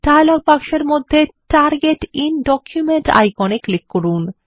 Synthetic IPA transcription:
ʈajlɔɡ̚pakʃeɾmod̪ʱːeʈaɾɡeʈinɖɔkʰjumeɳʈa̰jkɔneklikːoɾun

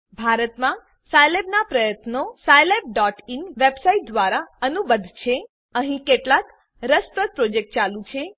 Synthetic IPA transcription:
bʱaɾət̪mã | sajlebnapɾəjət̪nosajleb̚ɖɔʈinʋebsaiʈ̚d̪ʋaɾaənubəd̪ʱt͡ʃʰe | əɦĩkeʈlak | ɾəspɾəd̪̚pɾod͡ʒek̚ʈ̚t͡ʃalũt͡ʃʰe

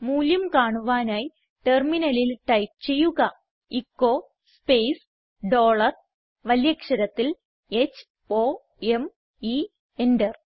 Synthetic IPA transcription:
muːljɐmkaːɳuʋaːnaːji | ʈe̞rminɐlilʈɐjp̚t͡ɕe̞jːuɣɐ | ikːo | spejs | ɖo̞ːɭɐr | ʋɐljɐkʂɐɾɐt̪ːil | et͡ɕː | o | em | i | endɐr

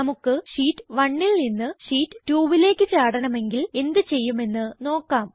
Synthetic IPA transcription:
ɐmukːɨʂiːʈːɨʋɐɳːilninːɨʂiːʈːɨʈuːʋile̞ːkːɨt͡ɕaːɽɐɳɐme̞ŋɡile̞nd̪ɨt͡ɕe̞jːume̞nːɨno̞ːkːaːm

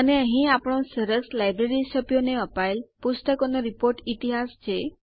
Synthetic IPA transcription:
əneəɦĩapɽ̃ɔ̃səɾəkslajbɾeɾisəpjoneəpajlpusʈ̪akonɔɾipoɾʈit̪iɦast͡ʃʰe

